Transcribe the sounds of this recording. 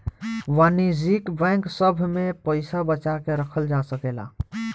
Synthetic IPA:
ʋanizikbɛ̃ŋksəbʱmepəɪsabət͡ʃakeɾəkʰəld͡ʒasəkela̰

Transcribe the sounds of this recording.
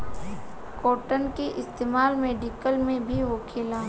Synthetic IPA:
koːʈənkiʔɪst̪eːmaːlmeːɖikəlmẽbʱiʋoːkʰelaː

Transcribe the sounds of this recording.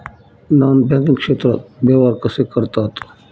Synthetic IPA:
naːnbɛ̃ːkɪ̃ŋkʃeːt̪ɾəbeːʋaːɾkəsekəɾt̪at̪o̥

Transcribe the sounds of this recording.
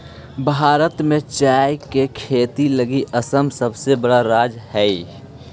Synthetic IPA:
bʱaːɾət̪mẽt͡ʃaːjkekʰeːt̪iləɡiʔəsəmsəbsebəɽaɾaːd͡ʒhɛi

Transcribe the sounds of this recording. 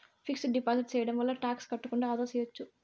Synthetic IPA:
pʰiksɖipaːsiʈt͡ʃɛːjɐɽɐmʋɐlːɐʈaːkskɐʈːukuɳɖaːd̪ɐːsɐjʋɐt͡ʃːu

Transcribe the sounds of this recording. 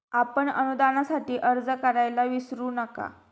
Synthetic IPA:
apəɳə̰nud̪anasaʈiːʔəɾd͡zəkəɾajlaʋisɾuːnəka̰

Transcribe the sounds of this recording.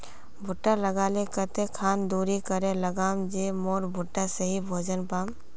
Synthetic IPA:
bʱʊʈːaləɡaːlekət̪ekʰaːnd̪uːɾikəɾẽləɡaːmd͡ʒeːmoːɾbʱʊʈːaseɦibʱoːd͡ʒənpaːm

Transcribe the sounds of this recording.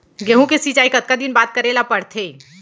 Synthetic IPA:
ɡeɦũkesit͡ʃaːikət̪̚kad̪inbaːt̪̚kəɾelapəɽt̪ʰe

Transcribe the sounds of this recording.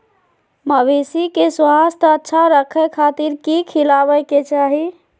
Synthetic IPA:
məbesikeswast̪ʰəətːʃʰaɾəkʰəkʰat̪iɾkikʰilabəket͡ʃaɦi

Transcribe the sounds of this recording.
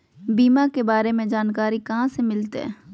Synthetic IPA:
biːmakebaːɾemẽd͡ʒaːnkaːɾikɐɦãsemɪlt̪ɦɛ̰ː

